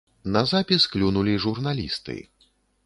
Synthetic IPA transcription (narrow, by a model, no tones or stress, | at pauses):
nɐzapʲisklʲunulʲiʐurnalʲist̪ɨ̰